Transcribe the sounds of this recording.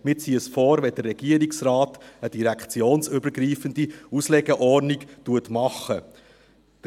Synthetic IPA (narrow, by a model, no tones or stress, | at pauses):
mɪt͡siːəsfɔːɾʋɛd̥ərːɛɡ̥iəɾiksrɑːtəd̥iɾækχt͡sjoːnsʏbəɾɡɾiːfəndiuslɛɡəʔɔrniktuətmɑχə | d̥